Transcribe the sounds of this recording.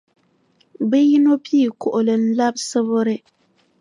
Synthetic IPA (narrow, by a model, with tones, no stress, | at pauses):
bɛ˦ji˦no˦pi˦˨kʊ˨ʔʊ˨lɨ˨n̩˦la˦bsɨ˦βʊ˦ɾɪ˦